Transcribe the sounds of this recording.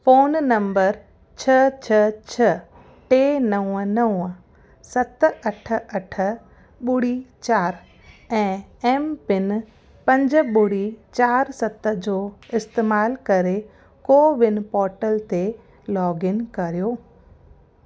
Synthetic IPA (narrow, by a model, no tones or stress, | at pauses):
foːnːɐ̃mbəɾ | t͡ɕʰɐt͡ɕʰɐt͡ɕʰɐ | ʈeːnɐʊ̃ənɐʊə | sɐt̪̆ɐʈʰə̆ɐʈʰə̆ | ɓʊɽit͡ɕaːɾ | ɛ̃ːɛːmpɪn | pɐ̃ɲd͡ʑɓʊɽit͡ɕaːɾsɐt̪əd͡ʑoːɪst̪eːmaːlkɐɾe | koːʋɪnɪ̆pɔːɾʈəlt̪e | lɔːɡɪnkɐɾijoː